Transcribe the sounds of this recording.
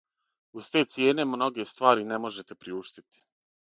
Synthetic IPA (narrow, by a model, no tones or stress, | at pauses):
uzt̪eːt̪sje̞ːne̞mno̞ɡe̞st̪ʋaːɾine̞mo̞ʒe̞t̪epɾiuːʃt̪it̪i̥